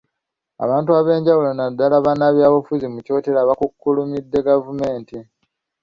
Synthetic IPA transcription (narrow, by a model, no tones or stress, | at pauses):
a̰βaːntuaβe̞ːɲɟawulonadːalaβanaβjaːβafuzimuco̞ːtelaβakukːulumidːe̞ɡavume̞ːnti